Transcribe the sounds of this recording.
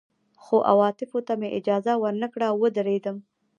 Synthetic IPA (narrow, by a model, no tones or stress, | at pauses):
xoʔa̰wɑt̪ɪfot̪ameʔɪd͡ʒɑzawəɾnəkɽawːəd̪əɾed̪əm